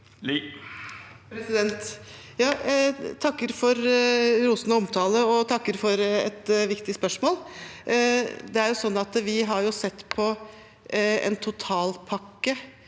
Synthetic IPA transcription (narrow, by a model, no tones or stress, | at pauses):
l | pʰɾɛsɪd̪ɛnt̪ | jɑːt̪ʰɑkːəɾfɔɾɾuːsnəɔmt̪ʰɑːləɔt̪ʰɑkːəɾfɔɾɛ̰t̪ʋɪkt̪ɪspœʂmoːl | d̪ɛæɾjʊsɔnːɑt̪ʋɪɦɑɾjʊsɛt̪ːpʰɔ | ɛ̰nt̪ʰʊt̪ʰɑːlpʰɑkːə